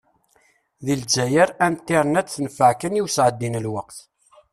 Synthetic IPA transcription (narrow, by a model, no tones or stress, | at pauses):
ðild͡ʒæjəɾænt̪ːiɾˤənæt͡sθnfəʕkənjiwsʕəd̪ːinəlwəqθ